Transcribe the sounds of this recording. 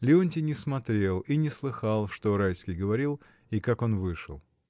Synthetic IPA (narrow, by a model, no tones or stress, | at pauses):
lʲɪonʲtʲɪnʲɪsmɐt̪ɾʲe̞lˠinʲɪslˠɨxalˠʂt̪o̞ɾajskʲɪjɡəvɐɾʲilˠ | ikako̞nvɨʂɨ̰lˠ